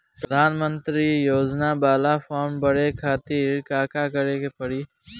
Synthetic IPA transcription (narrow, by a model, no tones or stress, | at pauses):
pɾʊd̪ʱaːnmə̃nt̪ɾiːjoːd͡ʒnaːbaːlaːfaːɾmbəɽekʰaːt̪iːɾkaːkaːkəɾeːkepəɽiː